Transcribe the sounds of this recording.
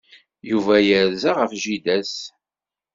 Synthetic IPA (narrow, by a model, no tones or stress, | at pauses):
juvæjəɾzaʁəfʒid̪æs